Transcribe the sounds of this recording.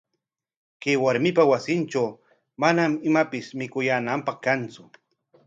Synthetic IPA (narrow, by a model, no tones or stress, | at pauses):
kewaɾmɪpawasɪnʈ͡ʂaw | manamɪmapɪsmɪkʊjaːnampɑχkant͡sʊ